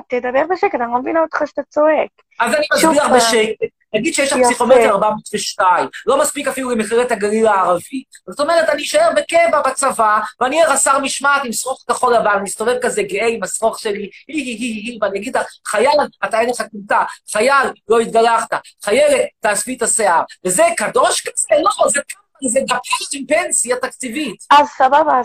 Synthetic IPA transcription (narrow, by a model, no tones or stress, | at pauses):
t̪ed̪abeʁbeʃeket̪anomevinaot̪χaʃt̪at͡soek | azanimadbiaχbeʃeket | naɡid̪̥ʃejeʃlapsiχomeiaʁbamotveʃtaimlo̞maspikafilulemeχiʁet̪haɡaʁilaːʁavi | zot̪o̞meʁet̪aniʃaeʁbekevabat͡savaveaniaʁasaʁmiʃmat̪imsʁoχkaχo̞lavannmist̪o̞vevkazeɡeeimasʁoχʃelihiɦiɦihiɦiveaniaɡid̪aχajalat̪aeneχakumtaχajalːo̞it̪̚ɡalaχt̪a | χaje̞let̪ːaːsfitaseaʁvezekado̞ʃkazelozeka | zeɡapaʃtimpensjat̪akt͡sivitazsababa